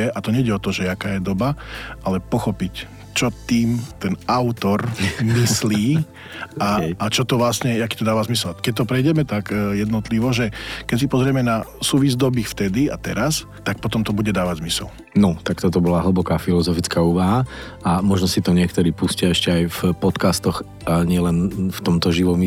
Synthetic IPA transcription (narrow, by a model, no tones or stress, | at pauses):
ɛʔat̪ɔɲɛjɟɛɔt̪ɔʒɛakaːjɛd̪ɔbaʔalɛpɔxɔpic | t͡ʃɔt̪iːmt̪ɛnaʊt̪ɔɾmisliː | aat͡ʃɔt̪ɔʋlasɲɛjakiːt̪ɔd̪aːʋazmisɛlkɛc̚t̪ɔpɾɛjɟɛmɛt̪akjɛd̪nɔt̪liʋɔʒɛkɛcsipɔzɾɪɛmɛnasuːʋizd̪ɔbixft̪ɛd̪iat̪ɛɾas | t̪ak̚pɔt̪ɔmt̪ɔbuɟɛd̪aːʋaɟzmisɛ̰l | nɔt̪akt̪ɔt̪ɔbɔlaɦl̩bɔkaːfilɔzɔfit͡skauːʋaɦa | amɔʒnɔsit̪ɔɲɪɛkt̪ɔɾiːpuscɪaɛʃcɛajfpɔt̪kast̪ɔx | aɲɪɛlɛnft̪ɔmt̪ɔʒiʋɔmi